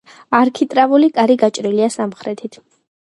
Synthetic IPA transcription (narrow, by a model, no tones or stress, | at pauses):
aɾkʰit̪ʼɾavulikʼaɾiɡat͡ʃʼɾiliasamχɾɛt̪ʰit̪ʰ